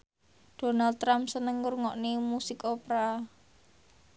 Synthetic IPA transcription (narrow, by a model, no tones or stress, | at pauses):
d̥o̤nalt̪ːɾampsənəŋːʊrŋɔʔnimusikopeɾa